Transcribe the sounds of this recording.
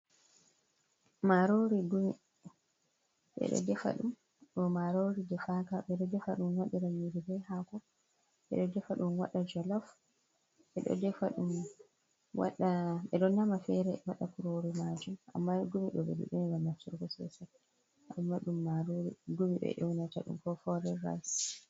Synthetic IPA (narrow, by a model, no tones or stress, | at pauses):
maɾoɾiɡumi | ɓɛ̰ɗɔ̰dɛfa̰ɗum | ɗɔmaɾoɾidɛfakaɓɛɗɔdɛfaɗumwaɗiɾamiɾibɛhakɔ | ɓɛ̰ɗɔdɛfaɗumwaɗːad͡ʒɔlɔf | ɓɛɗɔ̰dɛfaɗum | wa̰ɗaɓɛɗɔnamafɛɾɛwaɗakuɾoɾimad͡ʒumʔa̰mːaɡumiɗɔbɛ̰dɛ̰ɗɔniɡaːaftuɾɡɔsɛ̰sa | ʔamːaɗumːaɾoɾḭɡumiɓɛ̰ʔɛwnataɗṵmkɔfɔɾɛɾa̰js